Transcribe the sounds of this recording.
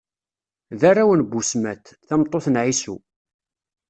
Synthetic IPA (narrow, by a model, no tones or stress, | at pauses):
ðaɾawənbusmæt̪ | θæmt̪ˤːoθənʕisu